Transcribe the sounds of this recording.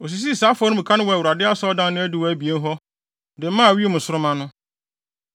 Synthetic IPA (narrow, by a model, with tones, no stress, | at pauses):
o˨s̬i˨s̬i˦˨saː˨˦fʊ˨ɔ˦nʊ̃˦ɪ˨kʰã˦nʊ̃˦wɔ˨wʊ˨ɾa˨dɪ˦a˦sɔ˦ɔ˦dã˦n˦nʊ̃˦æ˦dɪ˦˨wɔ˨æ˦bi˨e˦n˦ɦɔ˦ | dɪ̃˨˦mã˦˨wi˦e˦mʊ̃˨sʊ˦ɾʊ˦mã˦nʊ̃˦